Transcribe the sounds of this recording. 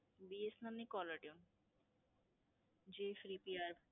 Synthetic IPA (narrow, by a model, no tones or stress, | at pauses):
biesnamnikɔlɐʈiun | d͡ʑifɾiːpiaɾb